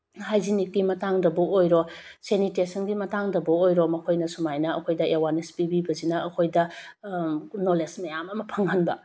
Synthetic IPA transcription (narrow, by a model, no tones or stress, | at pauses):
hajzinit̚kimɐtaŋdɐbɐojɾo | senitesɐnɡimɐtaŋdɐbɐojɾomɐkʰojnɐsumajnɐɐ̰kʰojdɐʔewanespibibɐzinɐɐkʰojdɐ | nolesmɐjamɐmɐpʰɐŋhɐnbɐ